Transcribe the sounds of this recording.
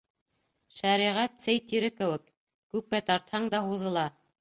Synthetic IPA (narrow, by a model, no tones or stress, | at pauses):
ʃæɾiʁæt̪sɘjt̪iɾɘkɘ̆wɘk | kʉp̚mæt̪ɑɾt̪hɑɴd̪ɑhuðɤ̆lˠɑ